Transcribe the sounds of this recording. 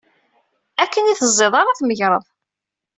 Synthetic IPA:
ækːəniθəzˤːeðˤɑɾˤaθməʝɾˤəðˤ

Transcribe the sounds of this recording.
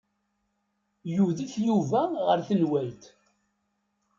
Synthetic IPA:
juðiθjuvæʁəɾθənwæjt̪

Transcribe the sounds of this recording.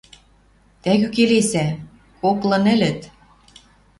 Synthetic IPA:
t̪æɣykelesæ | koklɤ̆nɘ̆lɘ̆t̪

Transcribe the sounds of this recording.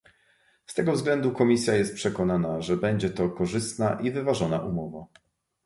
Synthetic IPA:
st̪ɛɡɔvzɡlɛnd̪ukɔmʲisʲjajɛst̪̚pʂɛkɔnanaʐɛbɛɲd͡ʑɛt̪ɔkɔʐɘst̪naʔivɘvaʐɔna̰ʔumɔva

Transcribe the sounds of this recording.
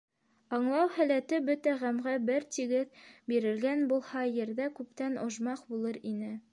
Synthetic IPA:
ɑɴlˠɑwhælæt̪ɘbɵt̪æʁæmʁæbɘɾt̪iɡɘðbiɾɘ̆lɡænbulˠhɑjɘ̆ɾðækʉpt̪ænŏʒmɑqbulˠɤɾinɘ

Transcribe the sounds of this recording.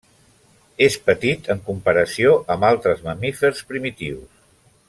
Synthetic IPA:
espət̪it̪əŋkumpəɾəsioʔəmbalˠt̪ɾəzməmifərspɾimit̪iws

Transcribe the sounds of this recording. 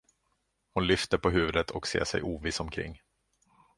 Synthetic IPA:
hʊnlʏft̪əɾpʰɔɦʉ̟ːvəd̪ət̪ʰɔksḛːʂɛ̰jʔuːvɪːsɔmkʰɾɪ̰ŋː

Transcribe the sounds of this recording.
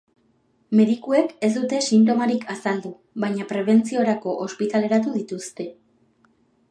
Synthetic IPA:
me̞ðikue̞ke̞zd̪ut̪e̞sint̪̬o̞maɾikʰasald̪u | βaɲapɾe̞β̞e̞nt͡sio̞ɾako̞ʔospit̪ale̞ɾat̪uðit̪ust̪e̞

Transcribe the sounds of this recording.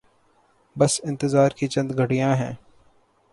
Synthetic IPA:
bɐsɪ̃nt̪ɪzaːɾkit͡ʃɐ̃nd̪ɡʱɐʈijãɦɛ̰̃ː

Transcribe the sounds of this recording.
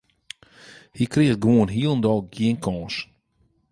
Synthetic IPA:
hikrɪəɡʋuənɦiəlˠən̩dɔlˠɡjiənkʰɔ̃ːs

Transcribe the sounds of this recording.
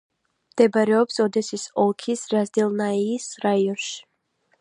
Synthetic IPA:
md̪̥ɛbaɾɛɔpsɔd̪ɛsisɔlˠkʰisɾazd̪ɛlˠnaiːsɾaiɔnʃi̥

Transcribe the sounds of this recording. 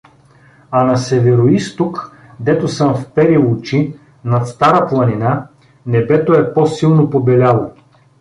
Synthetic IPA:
ɐnɐsɛvɛɾoist̪ok | d̪ɛt̪osɤmfpɛɾilˠʊt͡ʃi | nɐt̪st̪aɾəplˠɐnina | nɛbɛt̪oɛpɔsilˠnopobɛlʲalˠo

